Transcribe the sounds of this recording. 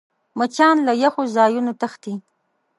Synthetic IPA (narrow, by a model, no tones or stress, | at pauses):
mət͡ʃɑnlajaxozɑjunot̪axt̪i